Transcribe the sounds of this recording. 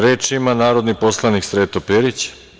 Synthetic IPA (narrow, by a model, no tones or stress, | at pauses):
ɾeːt͡ʃimanaːɾo̞d̪nipo̞slˠaniksɾeːt̪opeɾit͡ɕ